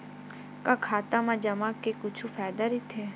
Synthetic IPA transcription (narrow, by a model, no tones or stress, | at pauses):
kaːkʰaːt̪aːmãːd͡ʒəmãːkekʊt͡ʃʰuːpʰaːjd̪aːɾiːt̪ʰeː